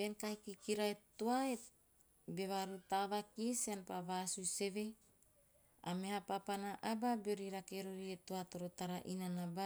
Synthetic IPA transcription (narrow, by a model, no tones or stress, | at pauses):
benkaikikiɾaet̪oae | beβaɾut̪aβakiseanpaβasuse̞βe | ameɦapapanaʔababeoɾiɾakeɾoɾiet̪oat̪oɾot̪aɾaʔinanaba